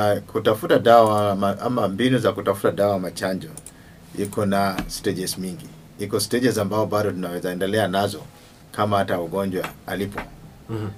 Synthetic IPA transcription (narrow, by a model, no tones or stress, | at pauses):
akʰutafutaɗawawmaa̰mambinuzakutafu̥taɗawawamat͡ʃaɲd͡ʒɔ | ikɔnastɛd͡ʒɛsmiŋɡi | ikɔstɛʄɛsambaɔɓaɗɔtunaɛzaɛndɛlɛanazɔ | kʰamahatauɠɔɲd͡ʒwaalipɔ